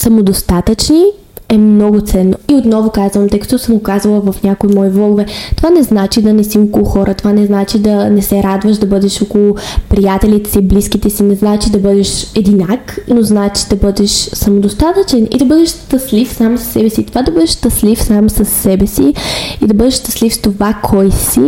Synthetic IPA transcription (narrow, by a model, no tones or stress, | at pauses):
sɐmod̪ost̪at̪ət͡ʃni | ɛmnɔɡʊt̪sɛnːoiot̪nɔvokazvəmt̪ɤjkɐ̥t̪ɔsəmokazəlˠəvɐfnʲakoimɔivlˠɔɡʊvɛt̪ovanɛznat͡ʃid̪ɐnɛsiukolˠʊxɔɾʔət̪ovanɛznat͡ʃid̪ɐnɛsɛɾad̪vəʃd̪ɐbɤd̪ɛʃokolˠʊpɾijat̪ɛlit̪ɛsibliskit̪ɛsinɛznat͡ʃid̪ɐbɤd̪ɛʃɛd̪inaknoznaɛt͡ʃi̥d̪ɐbɤd̪ɛʃsɐmod̪ost̪at̪ət͡ʃɛnḭd̪ɐbɤd̪ɛʃst̪ɐslifsamssːɛbɛsit̪ovad̪ɐbəd̪ɛʃst̪əslifsamsəsːɛbɛsiid̪ɐbɤd̪ɛʃst̪ɐ̥slift̪ovakʰɔjsi